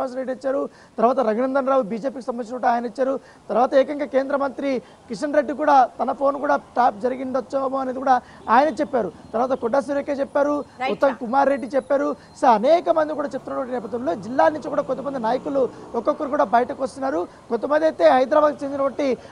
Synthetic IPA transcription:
aːsɾeɖiit͡ʃːaːɾu | t̪ɐɾʋaːt̪ɐɾɐɡnɐnd̪ɐnɾaːʋubiːd͡ʒeːpiːkisɐmbɐnit͡ʃnɐkuɽaːjɐnɐit͡ʃːaːɾu | t̪ɐɾʋaːt̪ɐeːkɐŋɡaːke̞ːnd̪ɾɐmɐnt̪ɾi | kiʂɐnɾeɖːikuːɽaːt̪ɐnɐpʰo̞ːnkuːɽaːʈaːp̚d͡ʒɐɾiɡiɳɖɐt͡ʃːɐmuɐneːd̪ikuːɽaː | aːjɐnɐt͡ʃepːaːɾut̪ɐɾʋaːt̪ɐkɔɖːaːs̬iɾokːeːt͡ʃɛpːaːɾuɔt̪ːɐmkumaːɾːeɖːit͡ʃɛpːaːɾu | sɐɾɐnɛːkɐmɐnd̪ikuːɽaːt͡ʃep̚ːt̪unːɐʈʋɐɳʈinɛːp̬ɐd̪ʋɐmlo̞ːd͡ʒilːaːnːiɲt͡ʃikuːɽaːkont̪ɐmɐnd̪inaːjɐkuluɔkːɔkːɐɾukuːɽaːbɐjɐʈɐkuʋɐst̪unːaːɾu | kont̪ɐmɐnd̪ɐjt̪e̞ːɦɐjd̪ɾaːbaːd̪̚t͡ʃend̪iɐʈʋɐɳʈːi

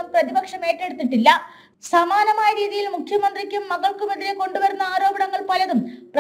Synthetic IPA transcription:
ɐmprɐðibɐkʂɐme̞ːʈːe̞ɽut̪ːiʈːilːɐ | sɐmaːnɐmaːjɐɾiːðijilmukʰjɐmɐnd̪rikʲːumːɐɣɐɭkumeðiɾeko̞ɳɖuʋɐɾunːɐaːɾo̞ːbɐɳɐŋːɐɭpɐlɐðumprɐ

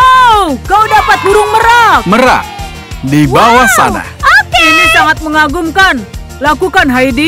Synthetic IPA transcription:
wkawdapat̪̚huɾʊŋməɾakməɾa̰k̚ | dibawasa̰na̰hinisaŋat̪̚məŋaɡʊŋkan | lakukanɦaidi

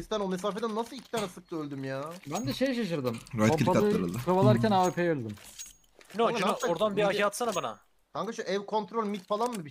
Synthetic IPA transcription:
ist̪ʰænome̞s̬aːfed̪ænːasɯlˠicʰi̥t̪ʰaːnɛsɯk̚t̪ʰˠɯølʲd̪ymjaːbænd̪ɛʃe̞jɛʃ̬aʃɯɾd̪ɯmopalɯɾɯkʰavalˠaɾcʰænaːøpʰejølʲd̪ym | noɾd̪anbiakʰaːt̪sanabana̰ | t̪ʰaŋkaʃɯʔɛvkʰo̞nt̪ɾo̞lʲmit̪falˠanmɯbi

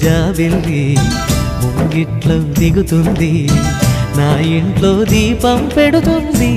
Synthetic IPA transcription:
d͡ʒaːʋilːi | muŋɡiʈlod̪iɡut̪und̪i | naːjeɳʈloːd͡ʒiːpɐmpeɽut̪und̪i

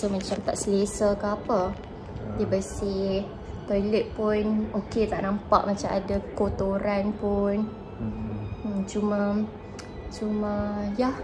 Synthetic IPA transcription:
səmat͡ʃamt̪aʔsəlesəkəapə | dəbəsih | t̪ɔjlɛt̪̚pʊnoket̪aʔnãmpaʔmat͡ʃama̰dakot̪oɾanpʊn | t͡ʃumã | t͡ʃumãjah

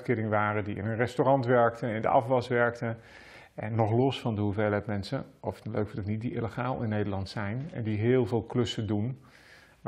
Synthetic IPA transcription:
tkɪːɾɪŋəʋaːɾədiɪ̰nənrɛstorɑntʋɛɹk̚təɪndə̰ɑ̰fʋɑsʋɛɹktə | ɛnːɔχlɔsfɑndəɦuveːlɛtmɛnsəʔɔftløɥkfɪndəknit̚diʔɪ̰ləχaːlˠɪnːejdəɹlɑntsɛjnɛ̰ndiɦɪːlˠvɪːlˠklɵsədun

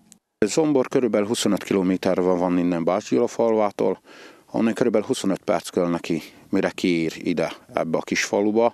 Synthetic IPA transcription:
zo̞mborkøɾybɛlyɦuso̞nøt̪kʰiloːmeːt̪ɛrvɛvɒnːind̪ɛmbaːcilofɒlvaːt̪o̰ːl | ɒ̰nːɛjkøɾybɛlyɦuso̞nøt̪pɛ̰rt̪skølnɛkimiɾɛkiiːɾḭd̪ɛɛ̰bːɛɒkiʃfɒlubɒ

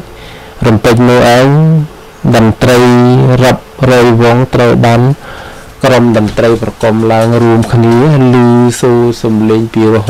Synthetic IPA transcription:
rɑmpɨc̚nʊ̆əhʔaɛɲ | ɗɑnt̪rəjrap̚rɔːjʋŏŋt̪rəwɓaːn | kromɗɑnt̪rəjprɑkomlaəŋruəmkʰniəlɨːsoːsɑmleːɲpiːroɦ

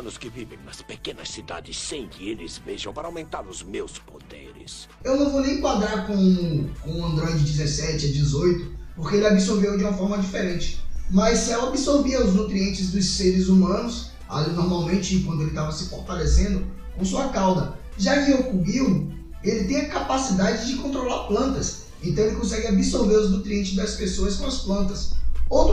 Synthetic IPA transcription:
nʊskɪvivẽj̃nɐspekẽnɐsid̪a̰d͡ʒɪsːẽj̃kɪelɪzveʒɐ̃w̃paɾɐawmẽnt̪aɾʊzmewspod̪ḛɾɪ̰sewnɐ̃w̃vownẽj̃kwad̪ɾaɾkõw̃kõʊɐ̃nd̪ɾɔɪd͡ʒɪd͡ʒɪzɛsɛt͡ʃɪad͡ʒɪzojt̪ʊpoɾkeelɪabisoɾvewd͡ʒɪũmɐfɔɾmɐd͡ʒifeɾẽnt͡ʃɪ̥mɐjsːɛwabisoɾviɐʊznut̪ɾiẽnt͡ʃɪzd̪ʊsseɾɪzumɐ̃nʊs | a̰lnɔɾmawmẽnt͡ʃɪk̬wɐ̃d̪ʊelɪt̪avɐsɪfoɾt̪alesẽnd̪ʊ | kõsuɐkawd̪ɐ | ʒakɪewkuɡiwʊ | elɪt̪ẽj̃ɐkapasid̪ad͡ʒɪd͡ʒɪkõnt̪ɾolaɾplɐ̃nt̪ɐs | ẽnt̪ɐ̃w̃elɪkõs̬ɛɡɪabisoɾveɾʊznut̪ɾiẽnt͡ʃɪzd̪ɐspesoɐskõɐsplɐ̃nt̪ɐsowt̪

